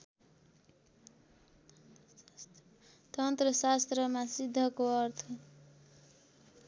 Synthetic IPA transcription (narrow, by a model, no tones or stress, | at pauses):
t̪ʌnt̪rʌsast̪rʌmasid̪ʱːʌkoʌrt̪ʰʌ